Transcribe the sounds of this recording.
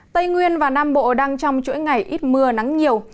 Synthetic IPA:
t̪ə˧jŋwi˧ənvaː˨˩naː˧mɓo̰˧˨ɗaː˧ŋt͡ɕɔ˧wŋ͡mt͡ɕṵ˧˥jŋa˨˩jʔi˦˥t̚mɨ˧əna˨˦ŋɲi˨˩əw

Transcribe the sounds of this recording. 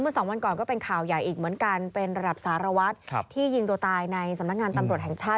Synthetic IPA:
mɯ˥˩sɔː˩˦ŋwa˧nkɔː˨˩nkɔː˥˩pe˧nkʰaː˨˩wja˨˩jʔiː˨˩k̚mɯ˩˦ənka˧npe˧nɾa˧da˨˩p̚saː˩˦ɾa˧wa˦˥t̪̚ʰiː˥˩jɯ˧ŋd̪oː˧t̪aː˧jna˧jsa˧˦mna˦˥k̚ŋaː˧nt̪a˧mɾu˨˩ət̪̚hɛ˨˩ŋt͡ɕʰaː˥˩t̪̚

